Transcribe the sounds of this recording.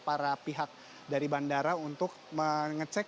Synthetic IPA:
paɾapiɦak̚ | daɾibandaɾaunt̪ʊk̚məŋət͡ʃɛk

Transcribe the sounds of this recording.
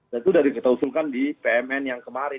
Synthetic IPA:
dat̪uːdahdikət̪ausulkandipeɛmɛnjaŋkəmaɾɪ

